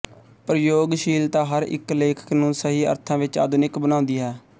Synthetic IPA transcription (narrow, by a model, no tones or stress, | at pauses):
pəɾjoːɡʃiːlt̪ãːɦəɾɪ̰kleːkʰə̥knũːsəɦiːə̰ɾt̪ʰãːʋɪt͡ʃa̰ːd̪ʊnɪkbənãːʊ̃nd̪iːɦɛː